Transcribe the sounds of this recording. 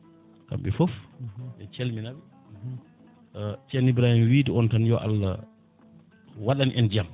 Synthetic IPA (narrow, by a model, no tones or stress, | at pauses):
ka̰mbɛ̰fofbɛt͡ʃelminabɛ | t͡ʃɛnibɾahimwiːdiɔntanjɔʔa̰lːa̰ | waɗaniʔɛnd͡ʒiam